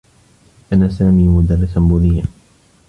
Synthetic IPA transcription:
ʔanaːsaːmiːmʊd̪ɑrːɪsanbʊðɪjːa

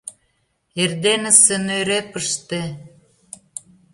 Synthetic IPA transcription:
erd̪enə̆senøɾepəʃt̪e

